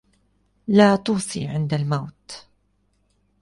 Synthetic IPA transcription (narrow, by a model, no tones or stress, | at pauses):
laːt̪uːsˤḭːʕɪnd̪almawt̪